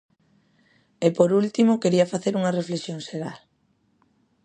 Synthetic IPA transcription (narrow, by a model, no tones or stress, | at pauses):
epoɾult̪imokeɾiɐfaθeɾuŋɐreflesjoŋʃeɣal